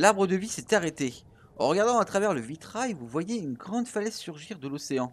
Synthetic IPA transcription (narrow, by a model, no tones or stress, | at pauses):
laʁbʁəd̪əvisɛt̪aʁet̪e | ɑ̰̃ʁəɡaʁd̪ɑ̃at̪χavɛʁləvit̪χajvuvwajeynɡʁɑ̃d̪falɛzsyʁʒiʁd̪əloseɑ̃